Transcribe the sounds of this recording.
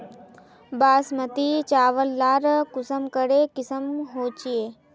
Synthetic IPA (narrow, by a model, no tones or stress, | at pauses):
baːsmət̪it͡ʃaːʋəlːaːɾkʊsəmkəɽekɪsəmɦoːt͡ʃieː